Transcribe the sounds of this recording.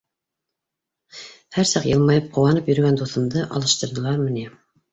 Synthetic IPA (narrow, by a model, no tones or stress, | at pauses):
hæɾsɑqjɤ̆lˠmɑjɤp̚qŏwɑnɤpjɵ̆ɾ̆ɡænd̪uθɤ̆md̪ɤʔɑ̰lˠɤ̆ʃt̪ɤ̆ɾðɤ̆lˠɑɾmɤ̆ni